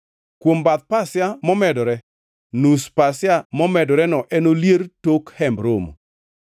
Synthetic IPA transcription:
kwombat̪̚pasjamɔmɛdɔɾɛ | nuspasɪjamɔmɛdɔɾɛnɔʔɛnoljertokhɛmbɾomo̰

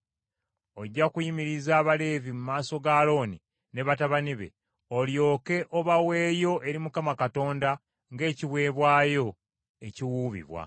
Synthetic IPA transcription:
oɟːakujimiɾizaːβale̞ːvimumaːso̞ɡaːlo̞ːni | ne̞βataβaniβe̞̰ | o̞ljo̞ːke̞ʔoβawe̞ːjo̞ʔe̞ɾimukamakato̞ːnda | ŋɡe̞ːciβwe̞ːβwaːjo̞ | e̞ciwuːβḭβwa̰

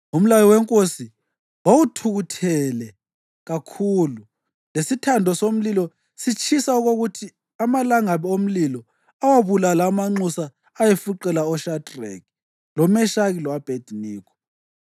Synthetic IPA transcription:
um̩lalɔwɛŋkʼosi | wawutʰuɣutʰɛlɛ | ɣakʰuːlu | lesitʰandʱɔsom̩lilɔ | sit͡ʃʰʼisauɣoɣutʰi | amalaŋaβom̩lilɔ | awaβulalaːmaŋ͡ǀusaː | jefuǃɛlaɔʃadrɛ̰k | lɔmɛʃaɣilwab̥ʱed̥ʱiniːkʰɔ̥

